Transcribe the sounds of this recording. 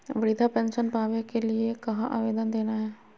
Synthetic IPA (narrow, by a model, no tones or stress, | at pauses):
ʋɐɾɪd̪ʱapɛ̃ːnʃənpaːʋekelɪekɐɦãʔa̰ːʋeːd̪ənd̪eːnaɦɛː